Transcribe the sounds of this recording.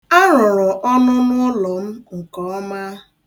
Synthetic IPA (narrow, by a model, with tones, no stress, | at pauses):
a˦ɾʊ˨ɾɔ˨ʔɔ˦nʊ˦nʊ˦lɔ˨m̩˦ŋ̩˨kɔ˦ma˦